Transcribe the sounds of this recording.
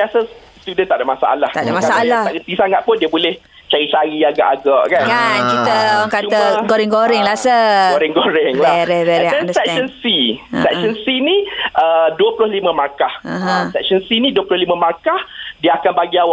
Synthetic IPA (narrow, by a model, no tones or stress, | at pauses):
biasəst̪udənt̪aʔdaʔmasa̰ʔa̰lah̪a̰damasaalat̪aʔɡəp̪isaŋat̪̚pʊndiəbolɛh | t͡ʃaɾit͡ʃaɾiaɡa̰ʔaɡaʔkankankit̪əawaŋkat̪əɡoɾɪŋɡoɾɪŋlasəɡoɾɪŋɡoɾɪŋlaɾɾɛdɛndəsɛk̚ʃənsisɛk̚sɔnsiniʔəduəpulʊhlimə̃makahaãsɛk̚sɔnsinĩduəpulʊhlimə̃makahdiəakanbaɡiawaʔ